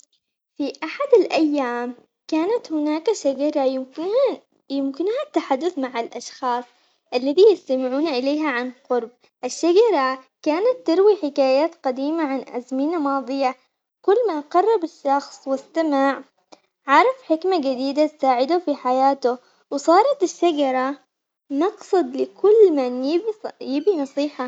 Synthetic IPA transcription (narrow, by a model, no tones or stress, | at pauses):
fiʔaħad̪alʔajːaːm | kaːnat̪hɪnaːkaʃad͡ʒɑɾˤɑ | jɪmkɪnhat̪ːaħad̪ːʊθmaʕalʔɑʃxɑːsˤ | ʔalːaðijɪst̪amɪʕuːnaʔɪleːɦaʕanqʊɾb̚ | ʔɪʃːad͡ʒɑɾˤɑ | kaːnat̪ːɪɾwiħɪkaːjaːt̪qɑd̪iːmaʕanʔazmɪnamɑːd̪ˤɨja | kʊlːmaʔqɑrˤːɑbɪʃːɑxsˤwɪst̪amaʕ | ʕɑɾˤɑfħɪkmad͡ʒad̪iːd̪at̪saːʕɪd̪ufiħajaːt̪ʊ | wsˤɑːɾˤɑt̪ɪʃːad͡ʒɑɾˤɑ | nɑqsˤɨd̪lɪkʊlːmanjibjɪbinɑsˤiːħa